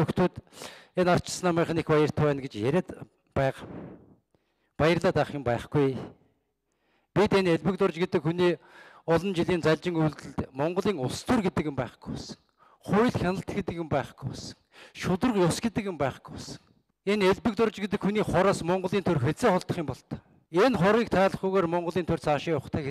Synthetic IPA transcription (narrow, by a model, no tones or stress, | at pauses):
ɵxt̪ʰuːt̪enar̥t͡ɕʰɪ̥̆snaːmiːɴχnekpajə̆r̥t̪ʰʊwæːnɡet͡ɕjæɾeːt̪ | pæːʁ | pajə̆rɮaːt̪aχjʊmpæːχɡuj | pʲit̪eneɮpɘ̆kt̪ʊrt͡ɕɡet̪ɘ̆kxuniː | ɔɮɞ̆nt͡ɕiɮiːnt͡saɮʲt͡ɕɪ̆ŋuːɮt̪ɘ̆ɮt̪mɔɴɢɞ̆ɮiːŋʊɮst̪urɡet̪ɘ̆kɪ̆mpæːχɡ̥u̥jpɔsə̥̆ŋ | χujɮxʲanə̆ɬt̪ɡet̪ɘ̆kɪ̆mpæːχɡujpɔsə̥̆ŋ | ʃʊt̪ə̆rqjʊsɡet̪ɘ̆kɪ̆mpæːχɡ̥u̥jɔsə̥̆ŋ | eneɮpɘ̆k̚t̪ʊrt͡ɕɡet̪̬ɘ̆kxuniːχɔɾaːsmɔɴɢɞ̆ɮiːnt̪ʰɵrxet͡seːχɔɮt̪ə̆χiːmpɔɮt̪ḁ | enχɔɾiːk̚t̪ʰaːɮə̆χɡuɣoːrmɔɴɢɞ̆ɮiːnt̪ʰɵr̥t͡sʰaʃiːʊχt̪ʰæːxe